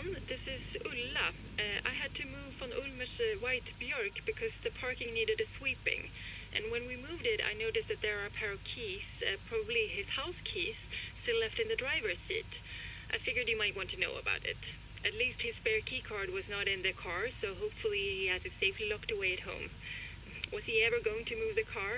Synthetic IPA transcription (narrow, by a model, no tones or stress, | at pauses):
nðɪsɪzʉlə | ʔa̰ɪɨd̚tʰɨmuvə̃nʔʊlmɨʃwaɪtb̥jɔɹkb̥ɨkʰʌzðɨpʰɑɹkɪ̃ŋniɾɨɾɨswipɪ̰̃ŋ | ʔɨ̰̃nwɨ̃nwimuvdɪɾa̰ɪnoʊɾɨsðɨt̪̚ðə˞ə˞pʰɛɹɨkʰiz̥pʰɹ̥ɑbəbliɪz̥haʊskʰiz̥stɪlɛftɨ̃nðɨdɹaɪvə˞sɪ̰ɾʔaɪfɪɡjə˞dɨjɨmaɪt̚wɑ̃ntʰɨno̰ʊə̰ba̰ʊɾɪ̰ɾ | ʔɨtˡlist̚hɨz̥spɛɹkʰikʰɑɹd̚wʌznəɾɨ̃nðɨkʰɑɹsoʊɦoʊpfl̩ˠiiɨz̚ɨseɪflilɔktəweɪɨt̚hõ̰ʊ̃m | wʌz̥iɛvə˞ɡoʊɪ̃ŋtʰɨmuvðɨkʰɑɹ